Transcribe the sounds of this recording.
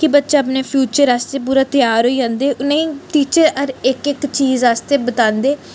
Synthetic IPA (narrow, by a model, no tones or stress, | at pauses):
kɪbətːʃaːəp̬neːpʰjuːt͡ʃəɾaːst̪eːp̬uːɾaːt̪ɪjaːɾɦoːiːd͡ʒãːnd̪eːʔʊnẽːĩʈ̪iːt͡ʃəɾəɾɪkɪkt͡ʃiːzaːst̪eːbət̪ãːnd̪eː